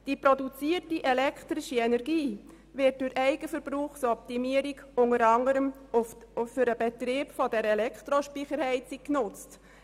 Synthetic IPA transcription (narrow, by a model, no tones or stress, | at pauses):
d̥ipɾɔdut͡siətiʔɛlɛktɾɪʃiɛnɛɾɡiː | vɪt̚d̥ʊɾʔɛɪɡəfɛɾbɾuːχsɔptimiəɾiɡʊŋəɾɑŋdəɾəm | fyɾəbɛtɾɪːpfɔdɛɾɛlɛkχt̪ɾoʃpiχəɾhɛɪtsikkːnʊt͡st